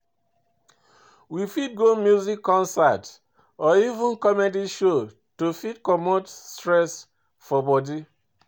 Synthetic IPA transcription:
wifid̚ɡomjuzikʰːɔ̃nsat | ɔivũnkɔmediʃo | tofidkɔmotstɹɛs | fɔbɔdi

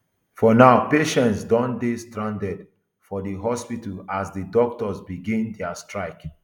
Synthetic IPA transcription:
fɔnaʊpeʃɛ̃ntsdɔ̃ndestɹãndɛd | fɔdəɦɔspitəlazdədɔk̚tɔzbiɡĩndɛastɹaɪk

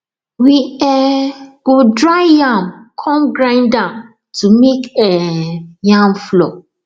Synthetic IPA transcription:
wiɛɡ̥odɹaɪjãmkʰɔ̃mɡɹãɪ̃ndãm | tʰumekɛjãmflɔ

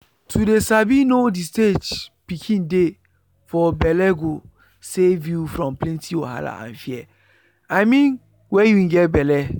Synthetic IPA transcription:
tʰudesabinodisted͡ʒpikʰĩnde | fɔbɛlɛɡo | sevjufɾɔ̃mplɛ̃ntʰioha̰la̰ʔã̰nfiɛ | amĩn | wɛjuĩɡɛtbɛlɛ

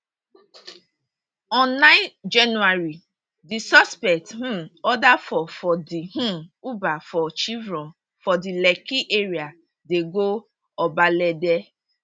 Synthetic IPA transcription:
ɔ̃nnãɪtd͡ʒanuaɾi | disɔspɛk̚tm̩ɔdafɔfɔdiɦũubafɔt͡ʃivɾɔ̃ | fɔdilɛkiʔeɾia | deɡo | ɔbalɛdɛ

